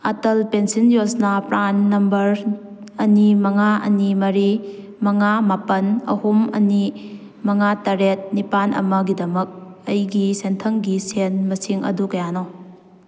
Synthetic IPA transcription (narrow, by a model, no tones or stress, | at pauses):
atɐlpensinjosnɐpɾanːɐmbɐɾ | ɐnimɐŋaɐ̰nimɐɾi | mɐŋamapɐnɐ̰humɐ̰ni | mɐŋatɐɾet̚nipanʔɐ̰mɐɡidɐmɐk̚ɐjɡisentʰɐŋɡisenmɐsiŋʔɐ̰dukɐjano